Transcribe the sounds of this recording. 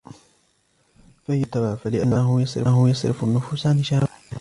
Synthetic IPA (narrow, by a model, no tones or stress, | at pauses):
fajʊt̪awaʕfalɪʔanːaɦʊjɑsˤɾɪɦʊjɑsˤɾɪ̰fanːʊfuːsʕanɪʃaɾ